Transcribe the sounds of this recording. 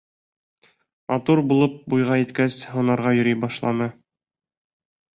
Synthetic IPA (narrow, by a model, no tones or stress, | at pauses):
mɑt̪uɾbulˠɤp̚bujʁɑjɘ̆t̪kæshŭnɑɾʁɑjɵ̆ɾijbɒʃlˠɑnɤ